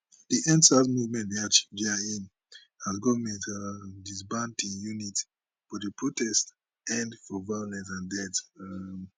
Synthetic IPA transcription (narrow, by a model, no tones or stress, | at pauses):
diʔɛ̃nsazmuvmɛ̃ntiat͡ʃiɡiain | azɡɔvəmɛ̃ntadisbãntĩnjunit | fɔdəpɹotɛst | ɛ̃ndfɔvajolɛ̃nsãndɛt